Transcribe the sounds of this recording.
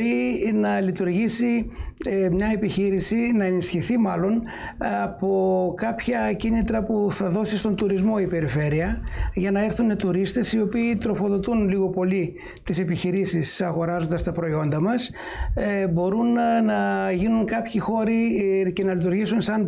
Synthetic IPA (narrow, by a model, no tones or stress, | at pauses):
ɾinɐlit̪uɾʝisiemɲɐe̞piçiɾisinɐe̞nisçiθimɐlo̞n | ɐpo̞kɐpçɐcinit̪ɾɐpuθɐðo̞sist̪o̞nt̪uɾizmo̞ipe̞ɾife̞ɾiɐʝɐnɐe̞ɾθunet̪uɾist̪e̞sio̞piːt̪ɾo̞fo̞ðo̞t̪unliɣo̞po̞li | t̪ise̞piçiɾisisɐɣo̞ɾɐzo̞nd̪ɐst̪ɐpɾo̞io̞nd̪ɐmɐs | bo̞ɾunnɐʝinuŋkɐpçixo̞ɾice̞nɐlit̪uɾʝisunsɐn